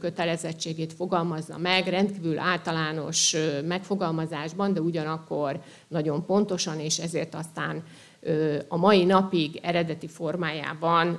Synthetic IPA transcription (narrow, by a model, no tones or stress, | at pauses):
kø̞t̪ɛlɛzɛt͡ʃːeːɡeːt̪fo̞ɡɒlmɒznɒ̰mɛɡrɛnt̪kiːvylʔaːlt̪ɒlaːno̞̰ʃmɛkfo̞ɡɒlmɒzaːʒbɒnd̪ɛuɟɒnɒkːo̞r | nɒɟo̞mpo̞nt̪o̞ʃɒneːʃɛzeːrt̪ɒst̪a̰ːn | øɒmɒjinɒpiɡɛɾɛd̪ɛt̪ifo̞rmaːja̰ːbɒn